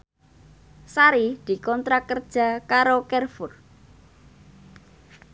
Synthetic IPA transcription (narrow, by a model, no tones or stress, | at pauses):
saɾid̪̥i̤kɔnt̪ɾakərd̥ʒ̥a̤kaɾokɛrfʊr